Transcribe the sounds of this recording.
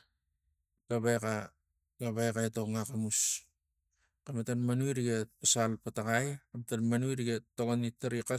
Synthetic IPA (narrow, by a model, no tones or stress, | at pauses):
ɡ̥aβeka | ɡaβajkaeto̞ŋakamus | kamatanmanuiɾiɡepasalpataɡajkamatanmanuiɾiɡetoɡonitːaɾika